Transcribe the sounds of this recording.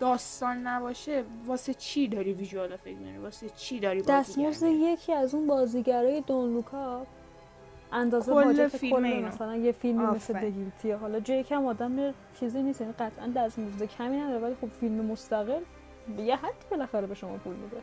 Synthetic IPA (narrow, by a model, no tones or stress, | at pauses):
d̪̥ɒːst̪ɒːnːæbɒːʃevɒːset͡ʃʰid̪ɒːɾiviʒoɒlofekmza̰ɾivɒːset͡ʃʰid̪ɒɾibd̪æst̪mozd̪eje̞cʰiːæzunbɒːziːɟæɾɒːje̞d̪onlukʰɒ | ʔænd̪ɒːzeːd͡ʒæt̪ʰeikolːemæsælænjefilmimmesled̪eɡilit̪ʰijeɦɒːlɒːd͡ʒːjecʰiæmɒːd̪æmːie | t͡ʃʰiːzinist̪jæniɢæt̪ʰʔæ̰nd̪æst̪mozd̪ecʰæmiːnæd̪ɒɾevælixo̞b̥filmemo̞st̪æɣe̞l | jeɦæd̪̥ːiːbe̞læxæɾebe̞ʃo̞mɒ̰ːpʰulmḭd̪e